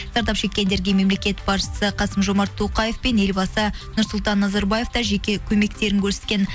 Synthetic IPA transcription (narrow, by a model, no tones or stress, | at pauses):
zɑɾd̪ɑpʃe̞kʲːe̞nd̪e̞ɾɡʲe̞me̞mle̞kʲe̞t̪bɑɾʃə̥səqʰɑsəmʒo̞mɑɾt̪ʰːoqɑje̞fpe̞ne̞lbɑsənʊɾsʊlˠt̪ɑnːɑzɑɾbɑje̞ft̪ɑʒe̞kʲe̞kʲʰɵme̞kt̪e̞ɾɪŋkʲʰɵɾse̞t̪kʲe̞n